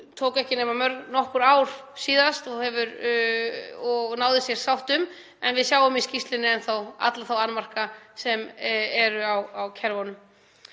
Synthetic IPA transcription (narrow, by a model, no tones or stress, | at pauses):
t̪ʰoːwkɛhcɪnɛːmamœɾɣnɔhkʏɾaːwɾ̥siːðast̪ɔɣhɛvʏɾ | ɔɣnaːwðɪsjɛɾ̥sawht̪ʏm | ɛnvɪðsjaːwʏmiscist̪lɪnːɪɛnθawa̰t̪laθawanːmar̥kasɛmɛɾʏawawcʰɛɾvɔnʏm